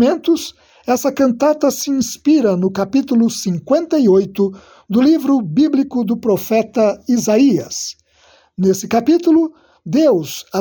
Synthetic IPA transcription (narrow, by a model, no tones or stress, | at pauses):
mẽnt̪ʊs | ɛsɐkɐ̃nt̪at̪ɐsɪĩspiɾɐnʊkapit̪ulʊsĩŋkwẽnt̪ɐiojt̪ʊ | d̪ʊlivɾʊbiblikʊd̪ʊpɾofɛt̪ɐizaiɐ̰s | nesɪkapit̪ulʊ | d̪ewza